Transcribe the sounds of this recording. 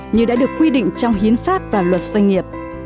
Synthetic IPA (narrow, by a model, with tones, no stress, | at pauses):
ɲɨ˧ɗa̰ː˧˥ɗɨ˨˩əkːwi˧ɗḭ˧˨ŋ̟t͡ɕɔ˧wŋ͡mhi˨˦ənfaː˦˥p̚vaː˨˩lwə˨˩t̚z̥a˧jŋ̟ŋi˨˩əp̚